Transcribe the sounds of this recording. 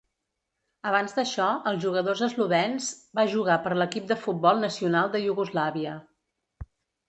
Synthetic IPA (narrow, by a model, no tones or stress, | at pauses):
əβ̞anzd̪əʃɔəlˠʒuɣəðozəzluβɛnzbaʒuɣ̞apəɾləkip̚d̪əfut̪̚bɔlˠnəsiunalˠd̪əjuɣuzlaβiə